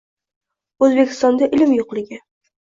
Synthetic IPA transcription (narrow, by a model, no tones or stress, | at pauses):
ɵzbekʲʰɪ̥st̪ɒnd̪aʔɪlɪmjoqlˠɪɡʲɪ